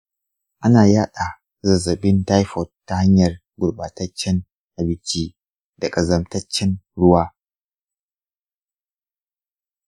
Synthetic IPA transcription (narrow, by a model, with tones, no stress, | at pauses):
ʔa˦naː˨jaː˦ɗa˨ | zɐ˨zɐ˨ɓɪ˦nta˦jɸɔ˨tːa˦ha˦ɲjɐ˨r | ɡʷʊ˨ɽɓaː˨tɐ˦t͡ʃːɛ˦n | ʔa˨bɪ˦t͡ʃiː˦ | dɐ˨kʼɐ˨zɐ˨mtɐ˦t͡ʃːɛ˦nɽʊ˦waː˦